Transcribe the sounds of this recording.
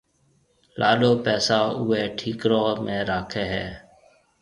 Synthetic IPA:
lʔaːɗoːpɛːsaːʊːeːʈʰiːkɾoːmẽːɾaːkʰeːɦɛː

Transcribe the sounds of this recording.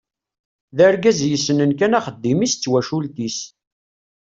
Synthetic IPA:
ðæɾɡæzjəsːənənkænaχəd̪ːimist͡sːwæʃult̪is

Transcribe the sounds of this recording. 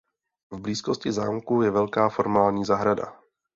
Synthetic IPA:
vbliːskoscɪzaːmkujɛvɛlkaːfo̞ɾmaːlɲiːzaɦɾada̰

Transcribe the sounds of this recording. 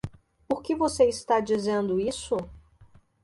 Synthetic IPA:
pʊɾkɪvoseist̪ad͡ʒizẽnd̪ʊisʊ

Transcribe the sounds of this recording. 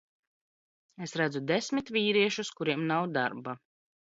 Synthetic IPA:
esɾæd̪zud̪esmit̪vʲiːɾiɛʃuskuɾiɛmnawd̪a̰ɾba

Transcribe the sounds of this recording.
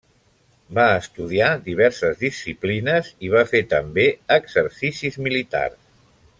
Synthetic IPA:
baəst̪uðiad̪iβ̞ɛɾsəzðisːiplinəziβ̞afet̪əmbeəɡzəɾsisizmilit̪a̰rs

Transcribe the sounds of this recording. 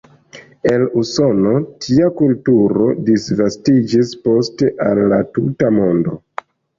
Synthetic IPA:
e̞luso̞no̞tʰiakultuɾo̞disvastid͡ʒispo̞ste̞ʔalːatutamo̞ndo̞

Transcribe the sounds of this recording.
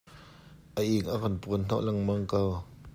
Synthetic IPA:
ʔəʔiŋʔakɐnpunn̥ɔ̰ʔlɐŋmɐŋkaw

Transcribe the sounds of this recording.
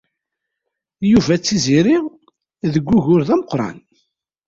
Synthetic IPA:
juvæt͡sːiziɾiʁ | ðəɡʷːʊʝʊɾðæməqɾˤɑ̰n

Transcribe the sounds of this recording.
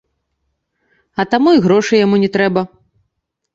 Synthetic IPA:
ɐt̪amuiɣɾɔʂɨjamunʲɛt̪ɾɛbɐ

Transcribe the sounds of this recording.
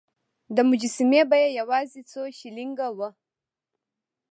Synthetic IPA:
damud͡ʒisimebajajawazit͡soʃiliŋɡawa

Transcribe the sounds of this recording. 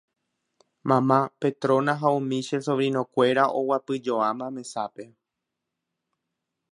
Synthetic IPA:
mãmãpe̞t̪ɾõ̞nãɦaũmĩʃesoʋɾĩnõkʷe̞ɾaʔowapɨd͡ʒoãmãmẽ̞sape̞

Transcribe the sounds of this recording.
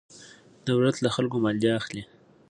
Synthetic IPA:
d̪̥awɾat̪laxalkomald̪eaxli

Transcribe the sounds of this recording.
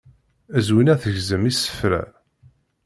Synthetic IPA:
æzwinæθəʝzəmisə̥fɾæ̰

